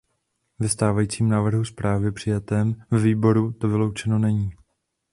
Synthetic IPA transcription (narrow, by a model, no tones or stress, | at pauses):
vɛst̪aːvajiːt͡siːmnaːvr̩ɦuspɾaːvɪpr̥ɪjat̪ɛːmvɛviːbo̞ɾut̪ovɪlo̞wt͡ʃɛno̞nɛɲiː